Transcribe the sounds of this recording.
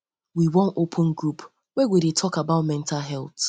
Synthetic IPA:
wiwɔ̃nopʰʊ̃nɡɹup | wɛɡʷeɾetʰɔkabaʊtmɛ̃ntʰaɦɛlˠt

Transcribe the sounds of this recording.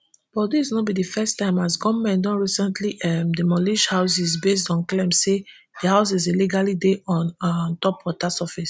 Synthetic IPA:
bɔdisnɔt̚bidifɛstãɪ̃masɡɔmɛ̃ndɔ̃nɹisɛ̃ntliʔɛmdəmɔliʃhaʊs̬izbestɔ̃nklɛ̃mse | d̥əhaʊs̬izeliɡalideʔɔ̃nntɔpwɔtasɛfis

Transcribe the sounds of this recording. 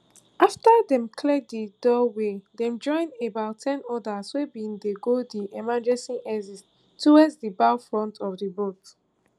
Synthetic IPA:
aftadɛ̃mkʰlɛd̚didɔwedɛ̃md͡ʒɔ̃ɪ̃nebaʊtʰɛ̃nɔdaswebindeɡodiʔɛmad͡ʒɛsĩʔɛzis | tʰːuwazsdibaʊfɹɔ̃ntʰɔfdibot

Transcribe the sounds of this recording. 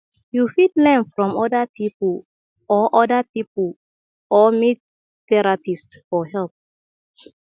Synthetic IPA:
jufidlɛ̃nfɹɔ̃mɔdapʰipəl | ɔʔɔdapipəl | ɔmit | tɛɹapistfɔɦɛlp̚

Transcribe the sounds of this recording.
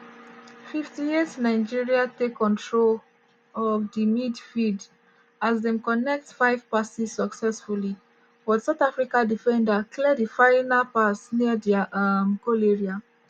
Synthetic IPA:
fiftietnaɪd͡ʒiɹiatekʰːɔ̃ntʰɹol | ɔvdimidfid | azðɛ̃mkɔnɛk̚tfaɪv̥pasizsəksɛsfuli | wɔd̥saʊθafɹikadifɛ̃ndakʰlɛɾifaɪ̃napasniədimkoleɹia

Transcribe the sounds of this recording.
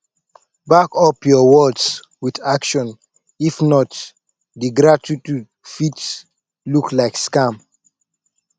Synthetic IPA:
bakɔpjɔwɔds | widakʃɔ̃n | ifnɔt | diɡɹatitud | fits | luklaɪkskãm

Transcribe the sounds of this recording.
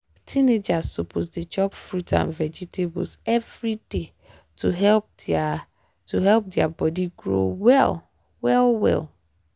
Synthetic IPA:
tʰined͡ʒassopʰosded͡ʒɔpfɹutʰã̰nvɛd͡ʒitʰebɔ̰sɛvɹide | tʰuɦɛlp̚ | tʰuɦɛlp̚dɪabɔdiɡɹo̰wɛl | wɛlwɛ̰lˠ

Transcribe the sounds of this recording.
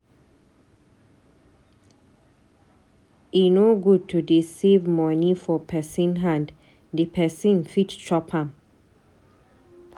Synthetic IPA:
inoɡud̚tʰudisivmɔnifɔpʰɛsĩnɦãnd | d̪ipʰɛsĩnfittʰɔphãm

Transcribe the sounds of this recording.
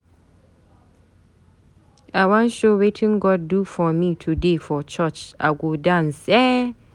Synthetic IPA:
awãnʃowetʰɪ̃ŋɡɔddufɔmitʰudefɔt͡ʃʰɜt͡ʃa̰ɡodãnsɛ

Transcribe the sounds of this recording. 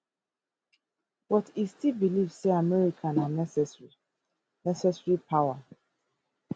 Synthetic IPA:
bɔtistilbiliv̥seamɛɹikʰãnanɛsɛsɹi | nɛsɛsɹipʰawa

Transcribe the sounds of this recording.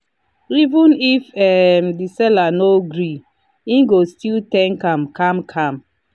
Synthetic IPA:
ivũnifɛmdisɛlanoɡɾi | ĩnɡostiltɛ̃ŋkãmkamkʰãm

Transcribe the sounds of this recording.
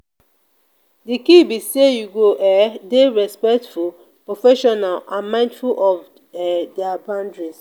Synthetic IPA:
dikibisejuɡoʔɛdeɹɛspɛk̚tful | pɹofɛʃɔnalãnmãɪ̃ndfulɔv | dɛabãndɹis

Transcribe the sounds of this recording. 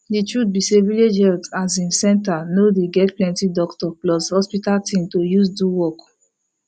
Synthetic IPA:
ditɹut̚biseviled͡ʒhɛltas̬ĩnsɛ̃ntanodeɡɛtplɛ̃ntidɔktɔplɔshɔspitaltĩmtojusduwɔk

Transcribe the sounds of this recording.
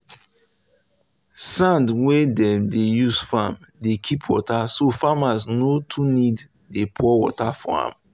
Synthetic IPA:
sãndwedɛ̃mdejuzfam | dekʰipʰwɔ̰tasofamaznotʰunid | depʰɔwɔ̰tafa̰ã̰m

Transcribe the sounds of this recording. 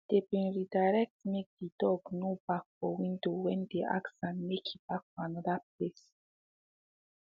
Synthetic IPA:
d̥ebĩnɹidajɾɛk̚tmek̚d̪idɔɡnobakfɔwĩndowɛ̃nd̪eʔa̰ksãnmekʰib̥ak̚fanɔdap̚les

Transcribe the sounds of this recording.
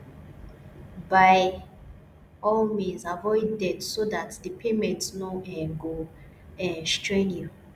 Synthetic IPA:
baj | ɔlmĩzavɔjdɛdsodatdəpʰemɛ̃ntsnoɛ̃ɡo | ɛ̃stɹẽnju

